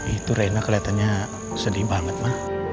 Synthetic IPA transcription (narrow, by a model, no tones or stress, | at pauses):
it̪uɾainakəliat̪anɲa | sədibaŋət̪̚mah